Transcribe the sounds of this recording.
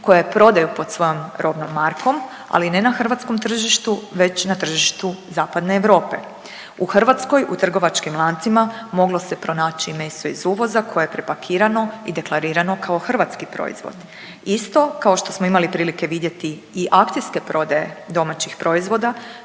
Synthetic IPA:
ko̞jajepɾo̞d̪ajupo̞d̪sʋo̞jomɾʔo̞bnomːaɾkʰo̞m | a̰line̞naxr̩ʋat̪sko̞mt̪r̩ʒiʃt̪uʋe̞t͡ɕnat̪r̩ʒiʃt̪uzaːpad̪ne̞ːʋɾo̞ːpe̞ | uxr̩ʋat̪sko̞jʔut̪r̩ɡo̞ʋat͡ʃkimlˠant̪simamo̞ɡlo̞se̞pɾo̞naːt͡ɕime̞st̪o̞izuːʋo̞zakʰo̞jejepɾe̞pakʰiːɾano̞id̪e̞klˠaɾiːɾano̞kʰao̞xr̩ʋat̪skipɾo̰ːḭzʋo̰d̪ | ist̪o̞kao̞ʃt̪o̞smoimalipɾiːlike̞ʋid̪jet̪iːʔakt̪iske̞pɾo̞d̪aje̞d̪o̞mat͡ɕixpɾo̞izʋo̞d̪a

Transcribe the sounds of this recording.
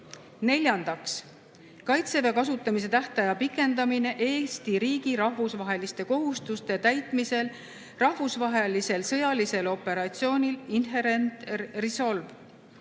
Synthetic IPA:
ne̞lʲjɑnd̪̥ɑks | kɑjt̪se̞vekɑs̬ut̪ːˑɑmis̬e̞t̪æht̪ɑjɑpikːˑe̞nd̪ɑmine̞ʔe̞ːst̪iɾiːɡ̥iɾɑɦvusvɑɦe̞list̪e̞ko̞ɦust̪ust̪e̞t̪æjt̪ˑmise̞l | rɑɦvusvɑɦe̞lise̞lsɤ̞jɑlise̞lo̞pːe̞ɾɑt̪sio̞ːnʲilinɦe̞ɾe̞nt̪riso̞lv

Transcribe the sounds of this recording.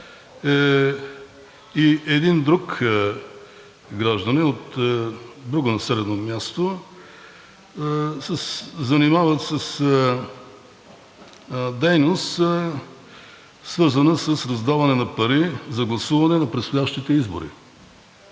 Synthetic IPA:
ɛ | iɛd̪ind̪ɾuk | ɡɾaʒd̪ənɛot̪ | d̪ɾuɡonɐsɛɾɛnomjast̪o | sɛszɐnimavɐt̪səs | d̪ɛjnost̪ | svɤɾzɐnəsəsɾɐzd̪avɐnɛnɐpɐɾizɐɡlˠɐsuvɐnɛnɐpɾɛt̪st̪ojaʃt̪it̪ɛizbo̰ɾḭ

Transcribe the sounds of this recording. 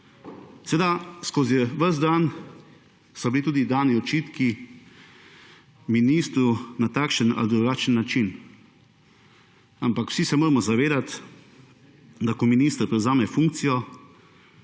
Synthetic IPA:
sɛeːd̪askozɛʋəzd̪an | sɔbilit̪uːd̪id̪aːniɔt͡ʃiːt̪ki | miniːst̪ɾunat̪aːkʃəna̰lid̪ɾuɡaːt͡ʃənːat͡ʃin | ampakwsisɛmoːɾmɔzaʋeːd̪at̪ | d̪akɔminiːst̪əɾpɾɛwzaːmɛfuŋkt̪sijɔ

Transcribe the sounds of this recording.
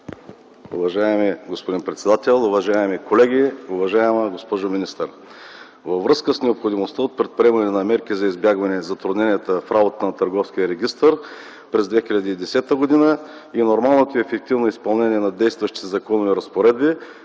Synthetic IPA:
ṵvɐʒaɛmiɡospod̪inpɾɛt̪sɛd̪at̪ɛlˠʊvɐʒaɛmikolɛɡʲiʊvɐʒaɛməɡospɔʒʊminist̪əɾ | vɐvvɾɤskəsnɛopxod̪imost̪əot̪̚pɾɛt̪̚pɾʲiɛmɐnɛnɐmɛɾkizɐizbjaɡvɐnɛzɐt̪ɾʊd̪nɛniɛt̪əfɾabot̪ət̪ənɐt̪ɐɾɡɔfskʲijəɾɛɡʲist̪əɾ | pɾɛzd̪vɛxiʎʲɐd̪iːd̪ɛsɛt̪əɡod̪inə | inoɾmalˠnot̪oɛfɛk̚t̪ivnoispɐlˠnɛniɛnɐd̪ɛjst̪vɐʃt̪it̪ɛzɐkɔnovɛɾɐspoɾɛd̪̚bi

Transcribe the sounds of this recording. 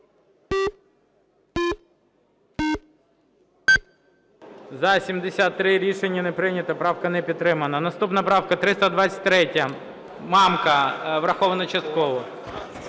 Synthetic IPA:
zɐsʲimd̪esʲat̪ːɾɪɾʲiʃenʲːɐnepɾɪnʲɐt̪ɐpɾɑwkɐnɛpʲid̪t̪ːɾɪmɐnɐnɐst̪upnɐpɾɑwkɐt̪ɾɪst̪ɐd̪ʋat͡sʲsʲɐ̥t̪̚ʲt̪ɾɛtʲːɐ | mɑmkɐʋɾɐxɔʋɐnɐt͡ʃɐst̪̚kɔʋɔ

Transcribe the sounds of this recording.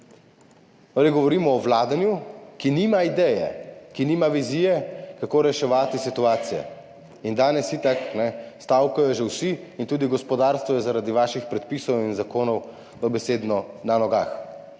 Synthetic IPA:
aliɡɔʋɔɾiːmɔːʋlaːd̪anjukinimaid̪ɛːjɛ̰kiniːmaʋizijɛkakoːɾɛʃɛʋaːt̪isit̪uaːt̪sijɛ̰ | ind̪aːnɛsit̪aknɛst̪awkajɔʒɛwsiːnt̪uːd̪iɡɔspɔd̪aːɾst̪ʋɔjɛzaɾaːd̪iʋaːʃixpɾɛt̪̚piːsɔwinzakoːnɔw | ɔbɛseːd̪nɔnanɔɡa̰ːx

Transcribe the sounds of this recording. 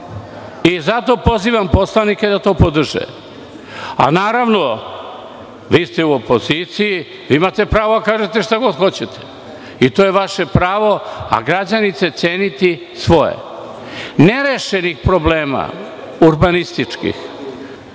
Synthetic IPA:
izat̪o̞po̞ziːʋampo̞slˠanike̞d̪at̪o̞ːpod̪r̩ʒḛ | a̰naːɾaʋno̞ | ʋiːst̪euopo̞zit̪siji | ʋiːimat̪e̞pɾaːʋod̪akaːʒet̪eʃt̪aɡo̞d̪xo̞t͡ɕet̪e̥ | it̪ojeʋaʃe̞pɾaːʋo̞a̰ɡɾad͡ʑanit̪se̞t̪seːnit̪i | sʋo̞jḛ | neɾeʃe̞nixpɾobleːma̰ | uɾbanist̪it͡ʂkḭx

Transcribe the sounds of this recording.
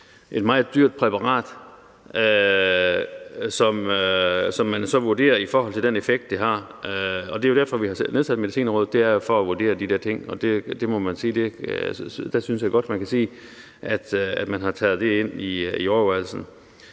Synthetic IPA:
ʔe̝d̥mɑ̈ːð̩ˠd̥yɐ̰d̥̚pʰʁɛpʰɑ̈ʁɑ̰̈ːd̥ | ø | sɒ̽møsɒ̽mːænsɒ̽ʋuɐd̥e̝̰ːɐifɒːɦɒ̽l̰t͡sʰe̝ld̥enefeɡ̥̚d̥ːeɦɑ̈ | ɒ̽d̥e̝jo̝ɾ̥æɐfɒ̽ʋihɑ̈sneðˠsæd̥meðisḭːnʁɔ̽ːð̩̰ˠd̥e̝æɐjo̝fɒ̽æʋuɐd̥e̝̰ːɐd̥id̥ɛɐ̰t͡sʰe̝ŋ̰ɒ̽d̥e̝d̥e̝mɒ̽mænsiːd̥e̝ | d̥æsynəsjɑɡ̥ɒ̽d̥mænkʰæsḭː | æd̥æd̥mænɦɑ̈t͡sʰɛːð̞̩ˠd̥e̝e̝n̰iiɒːɐʋæl̩sn̩

